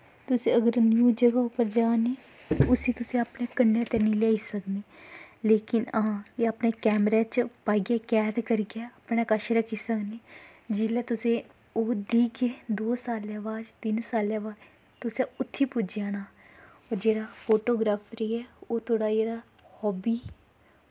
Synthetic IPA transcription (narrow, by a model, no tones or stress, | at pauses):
t̪ʊseəɡəɾnjuːd͡ʒəɡaːʊpəɾd͡ʒaːne | ʊsit̪ʊsẽəpnekənjeːt̪enileːisəkneːleːkɪnəãeəpnekɛːmɾeːt͡ʃpaːɡekɛːt̪kəɾɡɪaːəpnekəʃɾəkiːsəkneː | d͡ʒɪlet̪ʊse | oːd̪iːked̪oːsaːlɛʋaːd͡ʒt̪ɪnsaːlɛʋaː | t̪ʊseʊt̪ʰːipʊd͡ʒaːnaː | ɔːɾd͡ʒeːɽaːfʰoːʈoːɡɾaːfɾiɛoːt̪ʰoːɽaːjeːɽa | hɔːbiː